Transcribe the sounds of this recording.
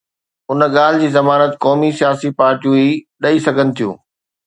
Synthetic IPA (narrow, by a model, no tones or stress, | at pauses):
ʊnɠaːl̤ɪd͡ʑiːzɐmaːnət̪kɔːmisijaːsipaːɾʈijũi | ɗɐisɐɡʱənɪ̆t̪ʰijṵ̃ː